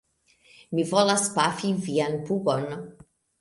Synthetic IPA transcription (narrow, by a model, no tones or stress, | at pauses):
mivɔlaspafivianpuɡɔn